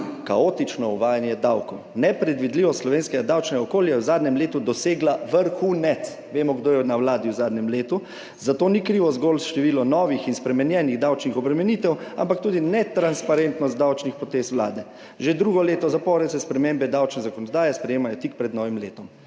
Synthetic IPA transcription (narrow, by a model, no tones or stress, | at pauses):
kaot̪it͡ʃnɔuʋaːjanjɛd̪awkɔwnɛpɾɛd̪ʋid̪liʋɔslɔʋeːnskɛɡad̪awt͡ʃnɛɡaɔkoːljaɛwzaːd̪nɲɛmleːt̪ud̪ɔseːɡlaʋəɾxunɛt̪s | ʋeːmɔɡd̪oːjɛnawlaːd̪iwzaːd̪nʲɛmleːt̪u | zat̪oːnikɾiʋɔzɡoːlsʃt̪ɛʋiːlɔnɔʋixinspɾɛmɛnjɛniɣd̪awt͡ʃnixɔbɾɛmɛniːt̪ɛwa̰mpak̚t̪uːd̪inɛt̪ɾanspaɾent̪nɔst̪̚d̪awt͡ʃnixpɾɔt̪eːswla̰ːd̪ɛ | ʒed̪ɾuːɡɔleːt̪ɔzapɔːɾɛsɛspɾɛmembɛd̪awt͡ʃnɛzakɔnɔd̪aːjɛspɾɛjeːmajɔt̪ik̚pɾɛd̪nɔːʋimleːt̪ɔm